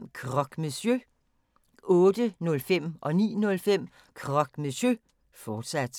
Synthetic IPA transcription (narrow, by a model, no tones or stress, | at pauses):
kʰʁɒ̽ɡ̥mesjø | ɔ̽ːd̥ənɔ̽lfem̰ʔɒ̽nḭːnɔ̽lfem̰ | kʰʁɒ̽ɡ̥mesø | fɒːd̥sæd̥